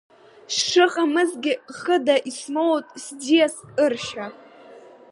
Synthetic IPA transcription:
sʂɨχʼamɨzɡʲɪχədaʔismowtʼsdijasɨrʃa

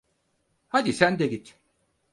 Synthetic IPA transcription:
had̪isænd̪ɛɟit̪

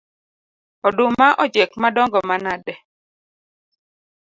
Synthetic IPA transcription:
ɔdʊmaʔɔd͡ʒekmadɔŋɡɔmanadɛ

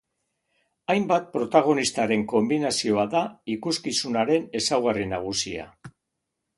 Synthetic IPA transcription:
ajmbat̪̚pɾo̞t̪aɣ̞o̞nist̪aɾe̞ŋko̞mbinasio̞aðaikuskisunaɾe̞ne̞sawɣarinaɣ̞usia̰

